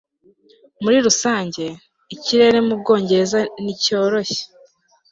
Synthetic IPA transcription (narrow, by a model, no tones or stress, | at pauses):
muɾiɾusaːɲɟe̞ | iciɾe̞ɾe̞mub̚ɡo̞ːɲɟe̞ɾe̞zanico̞ːɾo̞çe̥